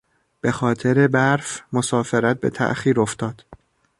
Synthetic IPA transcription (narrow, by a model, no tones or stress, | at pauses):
b̥e̞xɒːt̪ʰeɾe̞bæɾfmo̞sɒːfe̞ɾæt̪̚be̞̰t̪ʰæ̰ʔxiːɾoft̪ɒːd̪̥